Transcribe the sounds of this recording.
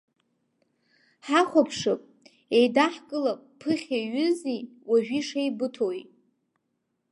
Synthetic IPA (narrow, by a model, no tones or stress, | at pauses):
ħaχʷapʰʂɨpʼ | ejdaħkʼɨlapʼpʰɨχʲeɥʏzi | waʒᶣiʂejbɨtʰojʼ